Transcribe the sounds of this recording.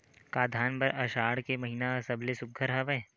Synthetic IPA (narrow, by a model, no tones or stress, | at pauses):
kaːd̪ʱaːnbɐɾʔɐʃaːɽkemɐɦiːnasɐblesʊk̚ɡʱəɾɦɐʋəẽ